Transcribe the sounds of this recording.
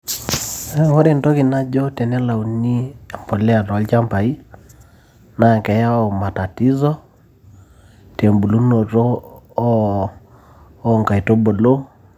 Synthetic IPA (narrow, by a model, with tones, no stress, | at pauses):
e˦ŋo˦ɾe˨nto˦ki˨na˦d͡ʒo˦te˨nɛ˦la˨u˨ni˦a˨mpo˨lɛ˦a˨tːlt͡ʃa˦mpa˨i˦ | na˨kɛ˨ja˦o˨ma˨ta˨ti˦zɔ˦ | te˨mbu˨lu˦no˨to˦ | ŋka˨i˨to˦bo˨lo˦